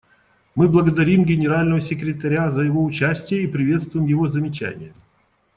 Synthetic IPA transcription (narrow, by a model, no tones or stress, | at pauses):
mɨblˠəɡəd̪ɐɾʲimɡʲɪnʲɪɾalʲnəvəsʲɪkɾʲɪt̪ɐɾʲazəjɪvo̞ʊt͡ɕæsʲtʲɪjəipɾʲɪvʲe̞t̪st̪vʊjɪmjɪvozəmʲɪt͡ɕæ̰nʲɪ̰jə